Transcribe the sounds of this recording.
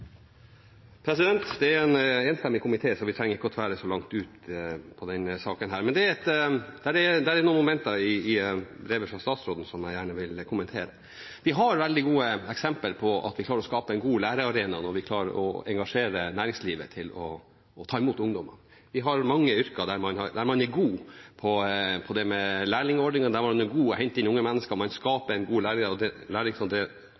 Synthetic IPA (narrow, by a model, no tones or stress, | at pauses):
pʰɾɛsɪd̪ɛnt̪d̪ɛæɾɛneːnst̪ɛmːɪkʰʊmɪt̪ʰeːsɔʋɪt̪ʰɾɛŋːəɾɪkːəɔt̪ʰʋæːɾəsɔlɑŋt̪ʉːt̪pʰɔd̪ɛnsɑːkənɦæːɾmɛnd̪ɛɾɛt̪d̪ɛæɖɛd̪ɛæɾɛɾnuːənmʊmɛnt̪ɑɪːbɾeːʋəfɾɑst̪ɑːt̪sɾoːd̪n̩sɔmjæɪjæːɳəʋɪlkʰʊmənt̪ʰeːɾə | ʋɪɦɑɾʋɛld̪ɪɡuːəɛksɛmpəlpʰɔɑ̰t̪ʋɪklɑːɾɔskɑːpəɛnɡuːlæːɾəɑɾeːnɑnɔɾʋɪkʰlɑːɾəɔ̰ɛŋɡɑʂeːɾənæːɾɪŋsliːʋə̰t̪ʰɪlɔ̰ː | t̪ʰɑːɪmuːt̪ʊŋd̪ɔmə̰n | ʋɪɦɑɾmɑŋːəʏɾkɑd̪æɾmɑnhɑɾd̪æɾmɑnæɡuːpʰɔpʰɔd̪ɛmɛlæːɭɪŋɔɖnɪŋɑd̪æɾmɑnɛɡuːəhɛɲt̪ɪnːʊŋːəmɛnːəskəmɑnskɑːpəɛɪnɡuːlæːɭɪŋɔd̪ɛlæːɭɪŋsɑd̪ɛ